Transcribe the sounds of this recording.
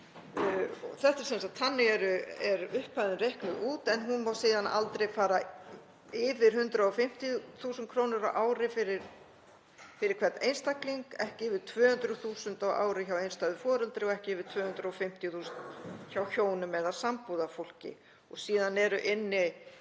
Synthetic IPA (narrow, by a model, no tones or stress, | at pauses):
ɔθɛht̪aɾsɛmsat̪ʰanːɪɛɾʏɛɾʏhpaðɪnɾehklʏɣuːt̪ɛnɦunmaːwsiːðana̰lt̪ɾejfaːɾa | ɪvɪɾ̥hʏnt̪ɾaɔfɪm̥t̪jiθuːsʏnkʰɾoːwnʏɾaʔaːwɾɪfɪɾɪɾ | fɪɾɪɾ̥kʰvɛɾt̪ejnst̪akliŋkɛhcɪɪvɪ̥t̪ʰvœːhʏnt̪ɾʏθuːsʏnt̪awa̰ːwɾɪçawejnst̪aɣðʏfɔːɾʏlt̪ɾɪɔɛhcɪɪvɪɾ̥t̪ʰv̥œːhʏnt̪ɾaɔfɪm̥t̪jʏθuːsnçawçoːwnʏmɛðasampuðafowl̥cɪ̰ | ɔɣsiːðanɛɾʏʔɪnːɪ